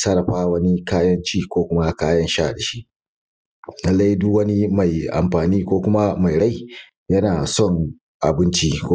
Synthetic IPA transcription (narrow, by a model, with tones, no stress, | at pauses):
sɐ˦ɾɐ˨ɸaː˦wɐ˦ni˦kaː˦jɐ˦nt͡ʃiː˦kʷoː˦kʷʊ˦ma˦kaː˦jɐ˦nʃaː˦˨da˨ʃi˦ʔ | lɐ˦lːa˦ji˦dʊ˦wɐ˦ni˦ma˨jʔa̰˨mɸaː˨niː˦kʷoː˦kʷʊ˦ma˦ma˨jɽa˦˨j | jɐ˦naː˨sɔ˦˨ŋ | ʔa̰˨bɪ˦nt͡ʃi˦kʷ